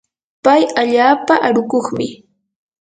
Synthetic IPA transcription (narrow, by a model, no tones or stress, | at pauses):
pajaʎaːpaʔaɾʊkoχmɪ